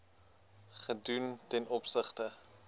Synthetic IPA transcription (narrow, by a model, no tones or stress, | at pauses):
χəduntɛnɔpsəχtə